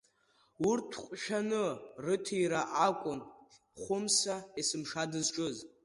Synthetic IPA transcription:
urtʰqʷʼʃᶣanɨrɨtʰijɾaʔakʷʼʊn | χʷʊmsaesɨmʂadɨzʈ͡ʂʼɨz

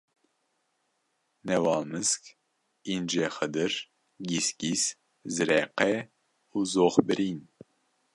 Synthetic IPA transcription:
nɛwɑlmɨsk | ind͡ʒɛχəd̪ɨɾ | ɡiskis | zɨɾɛqɛ | uzoχbɨɾin

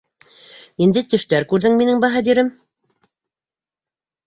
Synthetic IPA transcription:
ind̪ɘt̪ɵ̆ʃt̪æɾkʉɾðɘŋminɘŋbɑɦɑd̪iɾɘm

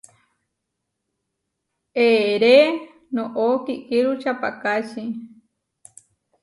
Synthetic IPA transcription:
eɾe | nõʔokikiɾut͡ʃapakat͡ʃi

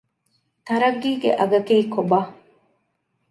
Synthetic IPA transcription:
t̪ɐɾɐɡːiːɡḛʔɐɡɐkiːkobaː

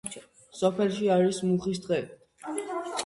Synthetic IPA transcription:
sɔpʰɛlʃiaɾismuχis̬d̪ʁɛ

